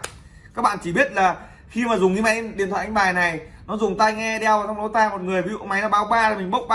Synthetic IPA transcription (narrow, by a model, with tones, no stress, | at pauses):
kaː˦˥k̚ɓa̰ː˧˨nt͡ɕi˧˩ɓi˦˥ət̚laː˨˩ | xi˧maː˨˩zʊ˨˩ŋ͡mŋɲi˨˦ma˨˦jɗi˨˩ət̪ʰwa̰˧˨ʔŋ̟ɓaː˨˩jna˨˩jnɔ˨˦zʊ˨˩ŋ͡mt̪aː˧jŋɛ˧ɗɛ˧wvaː˨˩t͡ɕa˧wŋ͡mɗo˨˦t̪aː˧jmo˨˩t̚ŋɨ˨˩əjvi˨˦zṵ˧˨˧ma˨˦jnaː˨˦ɓaː˨˦wɓaː˧laː˨˩mï˨˩ŋ̟ɓə˦˥wk͡p̚ɓa˧